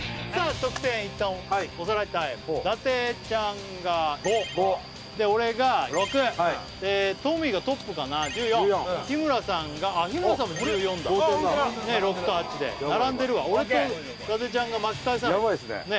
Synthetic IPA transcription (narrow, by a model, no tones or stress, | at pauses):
saːt̪okɯ̟̥t̪ẽit̪ːãiosaɾait̪aid̪at̪e̞t͡ɕãŋ | ɡa | d̪e̞o̞ɾe̞ɡaokɯe | d̪et̪omʲiɡat̪o̞pːɯ̟kanad͡ʑɨːjõçimɯ̟ɾasãŋɡaːçimɯɾasãmod͡ʑɯjõ̞nd̪a | ne̞ɾo̞kɯ̟̥t̪oɦat͡ɕid̪ḛnaɾãnd̪e̞ɾɯ̟βa̰o̞ɾet̪o | d̪at̪e̞t͡ɕãŋɡamakkːais̬ãjaβaisnḛne